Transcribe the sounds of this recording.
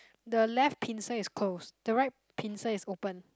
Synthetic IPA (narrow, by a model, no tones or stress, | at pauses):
dəlɛft̚pʰĩnsəiskʰlosd̥əɹaɪt̚pʰĩnsəisopə̃n